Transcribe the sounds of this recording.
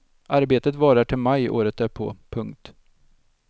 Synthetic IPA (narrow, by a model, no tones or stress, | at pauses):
ʔaɾbeːt̪ət̪vɑːɾaʈʰɪlmajo̰ːɾət̪æɾpʰo̰ːpʰɵŋkt̪